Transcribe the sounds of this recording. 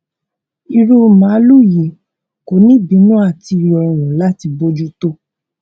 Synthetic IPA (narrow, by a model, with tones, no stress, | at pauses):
i˧ɾo˦mã˨˦lu˦˨ji˨ | ko˨˦nĩ˦bi˨˦nũ˦a˦˨ti˧ɾi˧˨ɔ˨˧˨w̃ũ˨la˦ti˧bo˦d͡ʒu˦to˦